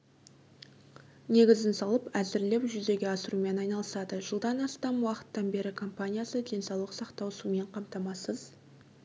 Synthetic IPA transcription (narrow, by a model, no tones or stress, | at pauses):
ne̞ɡʲɪzɪnsɑlˠəpæzɪɾle̞wʒʏze̞ɡʲe̞ɑsəɾume̞nɑjnɑlˠəsɑd̪əʒəlˠd̪ɑnɑst̪ɑmwɑqə̥t̪ːɑnbe̞ɾɪkʰo̞mpanʲijasəd̪e̞nsɑwlˠəqsɑqt̪ɑwsume̞ɴqʰɑmt̪ɑmɑsəz